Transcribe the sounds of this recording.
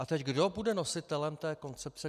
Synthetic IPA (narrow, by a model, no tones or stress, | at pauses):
ʔat̪ɛcɡdo̞budɛno̞sɪt̪ɛlɛmt̪ɛːko̞nt͡sɛp̚t͡sɛ